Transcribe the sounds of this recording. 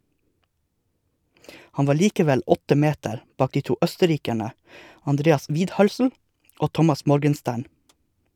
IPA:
ˈhɑn ˈʋɑː ˈɭiːkəˌʋɛl ˈɔtə ˈmeːtəɾ ˈbɑːk ˈdiː ˈtuː ˈœstəˌɾiːkæɳə ɑnˈdɾeːɑs ˈʋiːdˌhœlsl̩ ˈoː ˈtɔmɑs ˈmɔɾɡənˌstæːɳ

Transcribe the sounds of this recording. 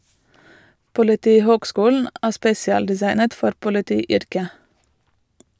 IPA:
pʊlɪˈtiːhoːɡˌskuːln̩ ˈæː ˈspeːsɪɑldɪˌsɑɪnət ˈfɔɾ pʊlɪˈtiːˌʏɾkə

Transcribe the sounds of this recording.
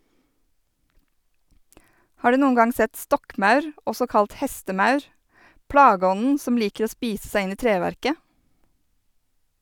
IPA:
ˈhɑːɾ ˈdʉː ˈnuːən ˈɡɑŋ ˈsɛt ˈstɔkˌmɑʉɾ ˈɔsɔ ˈkɑlt ˈhɛstəˌmɑʉɾ ˈpɽɑːˌɡɔnən ˈsɔm ˈliːkəɾ ˈoː ˈspiːs ˈsæɪ ˈɪn ˈiː ˈtɾeːʋæɾkə

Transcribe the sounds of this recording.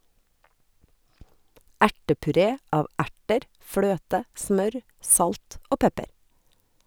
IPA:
ˈæʈəpʉˌɾeː ˈɑːʋ ˈæʈəɾ ˈfløːtə ˈsmœɾ ˈsɑlt ˈoː ˈpɛpəɾ

